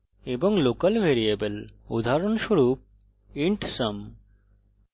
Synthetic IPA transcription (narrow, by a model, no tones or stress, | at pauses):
ebɔŋlokəlʋeɾiebəlṵd̪ʱaɾɔnʃoɾuːp̚ | iɳʈsɐm